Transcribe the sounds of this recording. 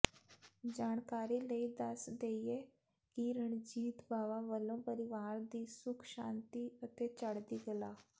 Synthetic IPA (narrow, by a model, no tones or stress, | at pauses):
d͡ʒaːɳkaːɾiːləiːd̪əsd̪eːieː | kiɾəɳd͡ʒiːt̪baːʋãːʋəlõːpəɾɪʋaːɾd̪iːsʊkʰʃãːnt̪iːət̪eːt͡ʃəɽd̪iːɡəlaː